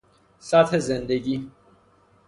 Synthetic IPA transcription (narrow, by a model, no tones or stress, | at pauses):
sæt̪hezend̪eɟiː